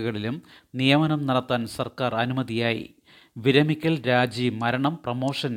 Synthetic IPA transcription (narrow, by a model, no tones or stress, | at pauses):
ɣɐɭilumnijɐmɐnɐmnɐɽɐt̪ːaːnsɐrkaːrɐnumɐðijaːjḭ | ʋiɾɐmikʲːɐlɾaːd͡ʑimɐɾɐɳɐmprɐmo̞ːʂɐn